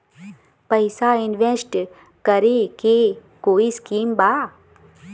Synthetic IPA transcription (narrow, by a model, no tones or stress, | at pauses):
pəɪsaɪnʋẽsʈ | kəɾeke | koːiskiːmbaː